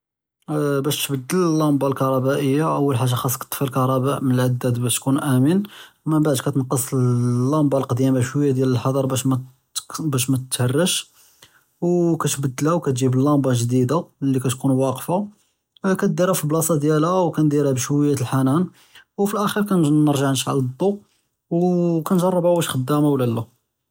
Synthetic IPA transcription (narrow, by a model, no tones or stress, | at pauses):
bæʃt̪bəd̪ːələlːɑmbɑlkɑɾˤɑbæʔəjːaʔəwːəlħaʒːaxɑsˤkt̪ˤːfəlkɑɾˤɑbæʔmənəlʕad̪ːæd̪bæʃt̪kunʔæmən | mənbaʕd̪kæt̪ənqəsˤlːɑmbɑlqɑd̪imaʃwəjːad̪jæləlħɑd̪ˤɑɾˤbæʃmæ | bæʃ̬mæt̪t̪hərːəʃ | wkæt̪bəd̪ːlæwkæt̪ʒibəlːɑmbɑʒd̪id̪alːikæt̪kunwɑqfa | kæt̪̚d̪iɾæfilblɑsˤɑd̪jælæwkænd̪iɾæbʃwəjːæt̪əlħanæn | wfilʔæxiɾkænnəɾʒaʕnʃʕa̰ld̪ˤːu | wkænʒɑrˤːəbʕawæʃxəd̪ːæmawlælːu